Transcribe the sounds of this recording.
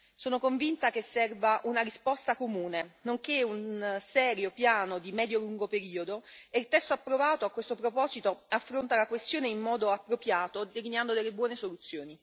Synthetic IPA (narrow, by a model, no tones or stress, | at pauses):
soːnokoɱvint̪ak̟esːɛrvaʔunaɾispɔst̪akomuːnenoŋkeunsɛːɾjopjaːnod̪imɛːd̪joluŋɡopeɾiːod̪oeilt̪ɛst̪oapːɾovaːt̪oakwest̪opɾopɔːzit̪oafːɾont̪alakwest̪joːneimːɔːd̪oapːɾopjaːt̪od̪elineand̪od̪elːebwɔːnesolut̪sːjoːni